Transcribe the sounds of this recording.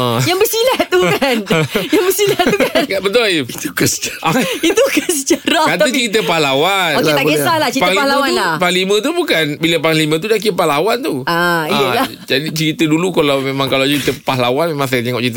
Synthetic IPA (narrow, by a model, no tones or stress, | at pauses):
əjaŋbərsilat̪ukanjaŋbəsilat̪ukanɡaʔbət̪ʊliit̪ukəsə̥t͡ʃḁɾit̪ukəsət͡ʃaɾakat̪ət͡ʃəɾit̪̬əpahlawanoet̪aɡesahlat͡ʃəipaalawanlapaŋlimə̃t̪̬ubukanbiləpaŋlimə̃t̪̬udak̬ipahlawant̪uaiəa | d͡ʒadit͡ʃəɾit̪ədulukalawmemãŋkalawt͡ʃəɾit̪əpaɦlawanmemãŋs̬ajt̪eŋɔʔt͡ʃəɾit̪ə